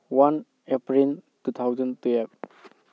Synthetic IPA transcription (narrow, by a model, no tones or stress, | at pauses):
wan | epɾiltut̪ʰawzantuep̚